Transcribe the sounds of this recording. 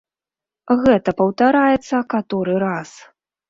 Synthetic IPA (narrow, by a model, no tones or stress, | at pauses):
ɣɛt̪ɐpɐwt̪aɾajɛt̪sːɐkat̪ɔɾɨɾas